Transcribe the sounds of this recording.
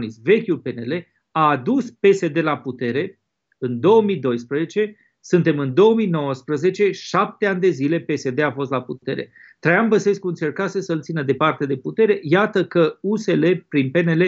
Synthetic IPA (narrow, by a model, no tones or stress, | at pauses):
nisve̞kʲulpe̞ne̞le̞ | aːd̪uspe̞se̞d̪e̞laput̪e̞ɾe̞ | ɨnd̪o̞wəmid̪o̞jspɾəze̞t͡ʃe̞ | sɨnt̪e̞mɨnd̪o̞wəmino̞wəspɾəze̞t͡ʃe̞ʃap̚t̪eanʲd̪e̞zile̞pe̞se̞d̪e̞afo̞s̬t̪laput̪e̞ɾe̞̰ | t̪ɾejambəse̞skuɨnt͡ʃe̞rkasesəɨlt̪sinəd̪e̞part̪e̞d̪e̞put̪e̞ɾe̞jat̪əkəuse̞le̞pɾinpe̞ne̞le